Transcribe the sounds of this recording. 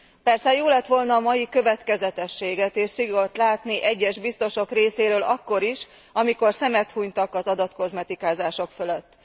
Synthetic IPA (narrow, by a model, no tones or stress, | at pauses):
pɛrsɛjoːlɛt̪ʋo̞lnɒːmɒjikø̞vɛt̪kɛzɛt̪ɛʃːeːɡɛt̪eːʃsiɡo̞t̪laːt̪niʔɛɟːɛʒbist̪o̞ʃo̞kreːseːɾøːlɒkːo̞ɾiʃ | ɒmiko̞rsɛmɛt̪huɲt̪ɒkɒzɒd̪ɒt̪ko̞zmɛt̪ikaːzaːʃo̞kføløt̪ː